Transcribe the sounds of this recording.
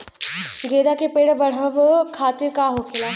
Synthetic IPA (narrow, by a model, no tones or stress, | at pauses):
ɡeːd̪akepeːɽbəɽ̤əʋkʰaːt̪iɾkaɦokʰelaː